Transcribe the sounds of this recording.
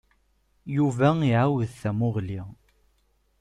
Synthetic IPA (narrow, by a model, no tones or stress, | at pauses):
juvæiʕawəðθæmʊʁli